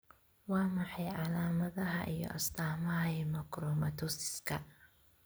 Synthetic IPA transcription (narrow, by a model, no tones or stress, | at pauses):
wɑːmɑħɑjʕɑlaːmɐðɐɦɐʔijɔ̰ʔɐst̪ʰaːmɐɦɐɛmɐkrɔmɐt̪ʰɔsɪ̥skʰɐ